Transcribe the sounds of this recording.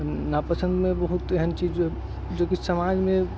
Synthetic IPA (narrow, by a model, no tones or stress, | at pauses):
napəsə̃nd̪mebəɦut̪eɦənt͡ʃid͡ʒ | d͡ʒokisəmad͡ʒmẽ